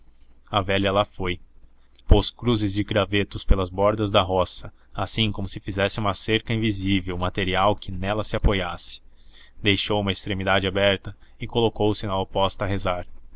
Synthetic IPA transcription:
ɐvɛʎɐlafoj | poskɾuzɪzd͡ʒɪɡɾavet̪ʊspelɐzbɔɾd̪ɐzd̪ɐɦɔsɐ | asĩkõmʊsɪfizɛsɪũmɐseɾkɐĩvizivewmat̪eɾiawkɪnɛlɐsɪapojasɪ̥ | d̪ejʃowũmɐest̪ɾemid̪ad͡ʒɪabɛɾt̪ɐɪkolokowsɪnɐopɔst̪ɐɦezaɾ

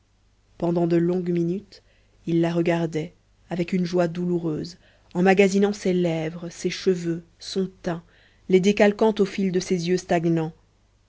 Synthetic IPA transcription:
pɑ̃d̪ɑ̃d̪əlɔ̃ɡminyt̪ | ilːaʁəɡaʁd̪ɛ | avɛkynʒwad̪uluʁøːz | ɑ̃maɡazinɑ̃selɛvʁəseʃəvø | sɔ̃t̪ɛ̃ | led̪ekalkɑ̃t̪ofild̪əsezjøst̪aɡnɑ̃

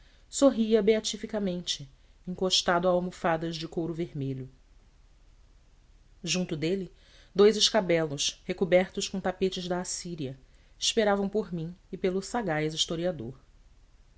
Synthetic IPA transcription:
soɦiɐbeat͡ʃifikɐmẽnt͡ʃɪ | ĩŋkoʃt̪ad̪ʊamufad̪ɐzd͡ʒɪkowɾʊveɾmeʎʊ | ʒũnt̪ʊd̪elɪ | d̪ojzɪʃkabɛlʊshekubɛɾt̪ʊʃkõt̪apet͡ʃɪʒd̪ɐːsiɾiɐ | ɪʃpeɾavɐ̃w̃poɾmĩɪpelʊsaɡajziʃt̪oɾiad̪oɾ

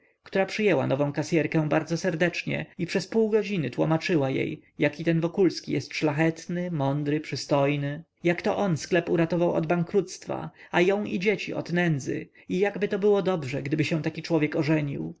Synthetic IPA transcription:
kt̪uɾapʂɘjɛwa̰nɔvɔ̃kasʲjɛɾkɛ̃w̃baɾd̪zɔsɛɾd̪ɛt͡ʂɲɛ̰ipʂɛspuwɡɔd͡ʑinɘt̪wɔmat͡ʂɘwajḛjjakʲit̪ɛnvɔkulskʲḭjɛst̪ʂlaxɛt̪nɘmɔnd̪ɾɘpʂɘst̪ɔjnɘ | jakt̪ɔʔɔnsklɛpuɾat̪ɔvawɔ̰d̪baŋkɾut̪st̪fa̰ajɔ̃w̃ʔid͡ʑet͡ɕḭʔɔ̰d̪nɛnd̪zɘ̰ | ijaɡbɘt̪ɔbɘwɔd̪ɔbʐɛɡd̪ɘbɘɕɛ̃w̃t̪akʲit͡ʂwɔvjɛkɔʐɛɲḭw

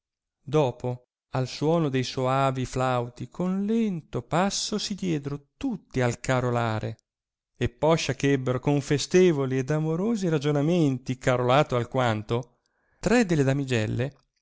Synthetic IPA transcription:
d̪ɔːpo | alswɔːnod̪ejsoaːviflawt̪ikʰonlɛnt̪opasːosid̪jɛːd̪eɾot̪ut̪ːialkaɾolaːɾʔḛ | epːɔʃːakɛbːeɾokoɱfest̪eːvoliɛd̪amoɾoːziɾad͡ʒonament̪ikaɾolaːt̪oalkwant̪o | t̪ɾɛd̪eled̪amid͡ʒɛlːe

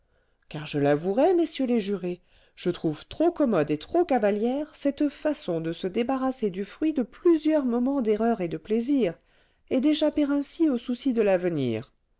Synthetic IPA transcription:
kaʁʒəlavuʁɛmesjøleʒyʁe | ʒ̥ət̪χuvt̪χokɔmɔd̪et̪χokavaljɛʁsɛt̪fasɔ̃d̪əsəd̪ebaʁased̪yfχɥid̪əplyzjœʁmɔmɑ̃d̪eʁœʁed̪əpleziʁ | ed̪eʃapeʁɛ̃siosusid̪əlavənḭːʁ

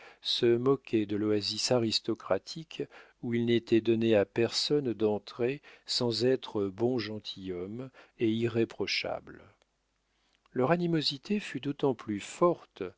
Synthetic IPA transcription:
səmɔkʰʲɛd̪əloazisaʁist̪ɔkχat̪ʰik | uilnet̪ɛd̪ɔneapɛʁsɔnd̪ɑ̃t̪χesɑ̃zɛt̪χəbɔ̃ʒɑ̃t̪ʰijɔmeiʁepχɔʃa̰bl | lœʁanimozit̪ʰefyd̪ot̪ɑ̃plyfɔʁt̪

